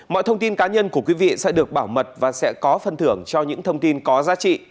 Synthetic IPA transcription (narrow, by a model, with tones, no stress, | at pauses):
mɔ̰˧˨jt̪ʰə˧wŋ͡mt̪i˧nkaː˨˦ɲə˧nku˧˩əkwi˨˦vḭ˧˨sɛ̰˧˥ɗɨ˨˩ək̚ɓaː˧˩wmə˨˩t̚vaː˨˩sɛ̰˧˥kɔ˨˦fə˨˩nt̪ɨ˧˩əŋt͡ɕɔ˧ɲɨ̰˧˥ŋt̪ʰə˧wŋ͡mt̪i˧nkɔ˨˦zaː˨˦t͡ɕḭ˧˨